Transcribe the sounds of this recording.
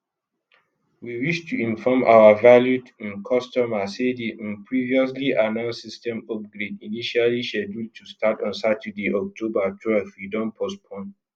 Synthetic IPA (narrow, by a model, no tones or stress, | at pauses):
wiwiʃtʰuĩnfɔmʔa̰wavaljutĩnkʰɔstɔmasedeʔnpʰɹiviɔs̬liʔanãʊ̃nsistɛ̃mɔp̚ɡɹediniʃaliʃɛdud̚tʰustatɔ̃nsatɛdeʔɔk̚tʰobatʰwɛlfwidɔ̃npʰospʰɔ̃n